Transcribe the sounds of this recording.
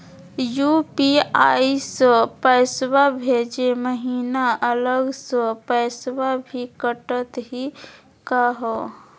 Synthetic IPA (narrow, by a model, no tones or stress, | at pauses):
jupiaisə̃pəɪswabʱed͡ʒeməɦiːnaʔələɡsə̃pəɪswabʱikəʈət̪ɦi | kaɦɔ